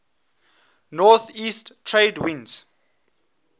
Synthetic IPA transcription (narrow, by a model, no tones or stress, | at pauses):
nɔθiːsttʰɹedwĩnz̥